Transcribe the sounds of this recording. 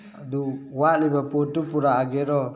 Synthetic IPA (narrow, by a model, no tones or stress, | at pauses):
duwaʔlibaput̪upuɾaːɡɛɾɔ